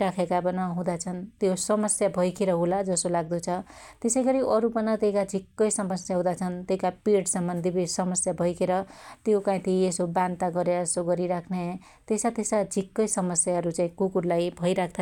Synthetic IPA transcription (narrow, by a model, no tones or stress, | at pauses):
ɾakʰekabʌnʌɦũd̪at͡sʰʌnt̪josʌmʌsjabʱʌjkʰeɾʌɦulad͡zʌsolaɡ̚d̪ut͡sʰʌt̪esʌjɡʌɾiʔʌɾupʌnʌt̪ekad͡zʱikːʌjsʌmʌsjaɦũd̪at͡sʰʌnt̪eikapiʈsʌmbʌnd̪ʱibisʌmʌsjabʱʌjkʰeɾʌt̪jokãĩt̪ʰiesobant̪aɡʌɾeesoɡʌɾiɾakʰne | t̪esat̪esad͡zʱikːʌjsʌmʌsjaɦʌɾut͡saĩkukuɾlajbʱʌjɾakʰt̪ʰa